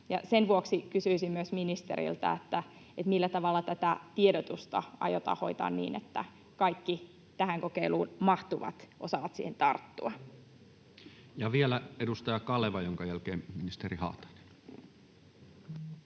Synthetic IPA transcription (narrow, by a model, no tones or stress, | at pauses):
jɑsenʋuoksikysyisimmyøsminist̪ḛɾḭlt̪ɑ̰et̪ːæ | et̪milːæt̪ɑʋɑlːɑt̪æt̪æt̪iedot̪ust̪ɑ̰ɑ̰jot̪ɑ̰ːho̞̰it̪ɑ̰ːnnḭːnet̪ːæ̰ | kɑikːi | t̪æhæŋkokeiluːnmɑht̪uʋɑ̰t̪ʔosɑʋɑt̪sḭːhent̪ɑrt̪ːuɑ | jɑʋielæedust̪ɑjɑkɑleʋɑjoŋkɑjælkeːmminist̪eɾihɑ̰ːt̪ɑ̥ne̥n